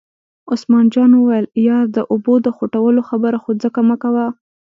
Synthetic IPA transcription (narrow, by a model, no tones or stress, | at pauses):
osmɑnd͡ʒɑnwəwajəljɑd̪əʔʊbod̪əxoʈawəloxabəɾaxod͡zəkamakawa